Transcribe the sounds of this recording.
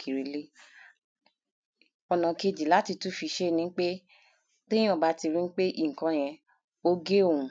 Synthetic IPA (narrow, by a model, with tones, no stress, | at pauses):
kʰi˨ɾi˨le˦ | ɔ˧nã˨ke˧d͡ʒi˨la˨˦ti˧tu˦fi˧ʃe˦˧nĩ˦k͡pe˦ | k͡pẽ˦ĩ˦ɔ̃˦˨ba˨˦ti˧ɾi˦ñ̩˦k͡pe˦ʔi˦˨ŋ̩˨kã˧j̃ɛ̃˧ | o˦ɡe˦o˦˨wũ˨˦